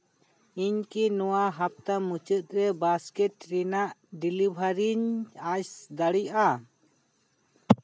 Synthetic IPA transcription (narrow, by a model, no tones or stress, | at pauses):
iɲkinɔwaɦap̚t̪amut͡ʃət̪̚ɾɛbaskɛʈɾinaʔɖilibʱaɾiɲajsd̪aɽica